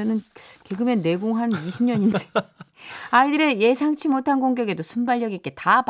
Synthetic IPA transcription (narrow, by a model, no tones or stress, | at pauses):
nɯnkeɡɯmjenːe̞ɡoŋɦaniɕʰimɲʌɲine | aidɯɾe̞je̞sʰaŋt͡ɕʰimotʰanɡoŋɡjʌɡe̞dosʰumbaʎːjʌɡik͈e̞tap